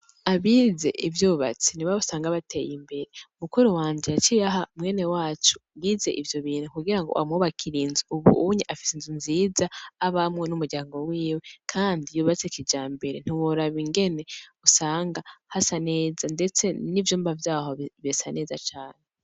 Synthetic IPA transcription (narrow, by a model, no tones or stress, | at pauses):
aβize̞ʔivjuːβa̰t͡seniβausaːŋɡaβatʰe̞jimbe̞ɾeumukuɾowaːɲd͡ʒeat͡ʃijaɦamŋe̞ːnewaːt͡ʃu̥ɡize̞ʔivjo̞βiːnukuɡiɾaŋɡo̰ʔa̰muβakʰiɾiːnziuβṵuɲiʔafi̥senzunziːzaːβamŋe̞numuɾɟaːŋɡo̞wiːwe̞kʰaːndijuːβat͡sekid͡ʒaːmbe̞ɾen̥iwoɾaβiŋɡe̞ne̞usaːŋɡahasane̞ːzande̞t͡se̞nivjuːmbavjaːhoβesane̞ːzat͡ʃaːne